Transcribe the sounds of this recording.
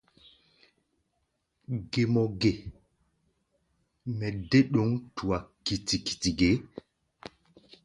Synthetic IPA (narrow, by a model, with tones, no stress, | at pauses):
ɡe˨mɔ˨ɡe˨ | mɛ˨de˦ɗo˨˦ŋtu˨wa˨ki˨ti˨ki̥˨ti˨ɡe˨˦